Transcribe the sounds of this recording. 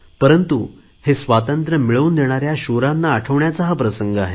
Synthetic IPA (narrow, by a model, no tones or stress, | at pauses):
pəɾənt̪u | hesʋat̪ənt̪ɾəmiɭəuːnd̪eɽ̃aɾjaɕuɾãnːaːʈʰəʋɳjat͡saɦapɾəsəŋɡəaɦe